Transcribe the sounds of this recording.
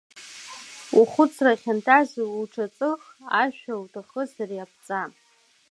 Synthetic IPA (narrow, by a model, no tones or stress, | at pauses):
uχʷʊt͡sʰraχʲantʰazuʈ͡ʂʰat͡sʼɨχaʃᶣawtʰaχəsariap̚ʰt͡sʼa